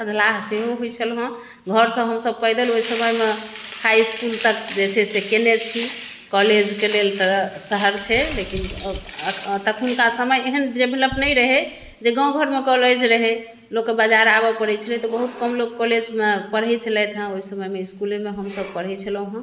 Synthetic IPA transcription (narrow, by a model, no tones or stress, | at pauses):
əd̪ʱlaɦseɦoɦojt͡ʃʰəlɦə̃ | ɡʱəɾsə̃ɦəmsəb̚pəjd̪əloɦisəməjmehajskult̪əkd͡ʒesesekenet͡ʃʰi | kɔled͡ʒkelelt̪əsəɦəɾt͡ʃʰɛlekin | t̪əkʰunkasəməjeɦənd̪ɾebʱeləpnəjɾəɦɛ | d͡ʒeɡə̃w̃ɡʱəɾmekɔled͡ʒɾəɦe | lokːebəd͡ʒaɾabəpəɾɛt͡ʃʰəlɛt̪ɔbəɦut̪kəmlokːɔled͡ʒmepəɾɦɛjt͡ʃʰəlɛt̪ʰɦə̃oɦisəməjmeiskulemeɦəmsəb̚pəɾ̤ɛt͡ʃʰələ̃ɦə̃